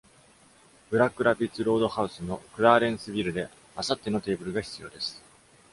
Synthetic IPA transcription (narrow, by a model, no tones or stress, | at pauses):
b̥ɯ̟ɾakɯ̟ɾapʲit͡sɨɾo̞ːd̪o̞haɯ̟sɨno̞kɯ̟ɾaːɾẽ̞ɰ̃sɨbʲiɾɯ̟d̪e̞ | asat̪ːe̞no̞t̪e̞ːbɯ̟ɾɯ̟ɡaçi̥t͡sɨjo̞ːd̪e̞sɨ̥